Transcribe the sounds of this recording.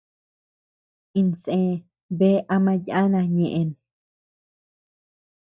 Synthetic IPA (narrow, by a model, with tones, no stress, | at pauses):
ĩ˧nsẽ˧ | be˦ʔa˧mã˧ja˦nã˧ɲẽ˨ʔe˧nẽ˨